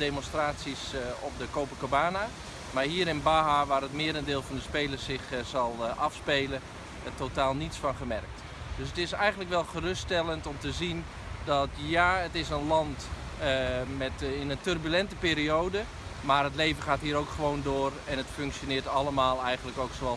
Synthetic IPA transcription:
demɔnstraːtsisɔpdəkoːpəkobaːna | marɦiːəɾɪnbaɦaʋaːɾətmɪəɾəndɪːlˠvɔndəspeːlərsɪxz̥ɑlˠɑfspeːlə | totaːlˠnitsfɑnχəmɛrk̚t | døs̬ətɪsɛjɣəntləkʋɛlˠχərʏstɛlˠəntɔmtəzin | dɔtjaːətɪsənlɑnt | mɛtɪnəntørbylɛntəpeːɾiowdə | maːɾətlejvənχaːtɦiːəɾowkχəʋowndoːrɛnətføŋksjonɪːtɑləmaːlˠɛjɣən̩ləkowksoɑ

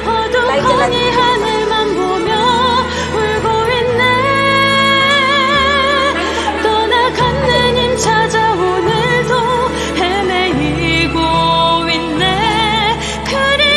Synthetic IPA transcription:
ʌdokʰʌɲiɦanɯɭmanbomjʌ | uɭɡowinːe | t̪ʌnakʰanːɯɲimt͡ɕʰad͡ʑaonɯɭdo | heme | i | ɡowinːe | kʰɯɾi

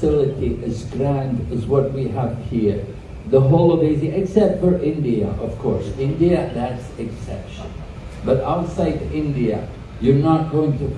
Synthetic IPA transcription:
ɪlˠɨɾiʔɨzɡɹæ̃ndɨzwʌt̚wiəv̥hiɹ | ðəɦɔlˠodeɪziɨksɛp̚tfə˞ʔɪ̃ndiɨ̰ʔʌv̥kʰɔ̰ɹsɪ̃ndiɨðætsɨksɛ̰pʃə̰̃n | bʌɾaʊtsaɪdɪ̃ndiɨ̰ | jə˞nət̚ɡ̥oʊɪ̃ŋtɨ

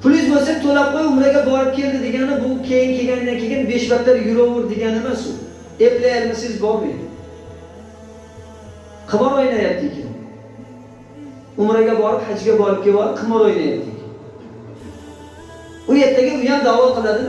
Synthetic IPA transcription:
pʰʊlɪzbosekt̪ʰolapmajʊmɾaɡʲabɒɾɪp̚kʲʰe̞ld̪ɪd̪e̞ɡʲanɪbʊkʲʰe̞jɪŋkʲʰe̞ɡʲand̪ankʲʰe̞ɡʲɪnbeʃbat̪ːaɾjʊɾoʊɾd̪eɡʲanɪmansʊ̰ | eplajaɾɪmɪsɪzbɒbḛ | qʰɨmɑɾojnajap̚t̪ʰɪkʲʰɪ̰n | ʊmɾaɡʲabɒɾɪphad͡ʒɡʲabɒɾɪp̚ɡʲewɒɾɪpqʰɨmɑɾojnajap̚t̪ʰɪkʲʰn | ʊjeɾt̪ʰːaɡʲɪʊjand̪awɒqɨlˠad̪ɪ

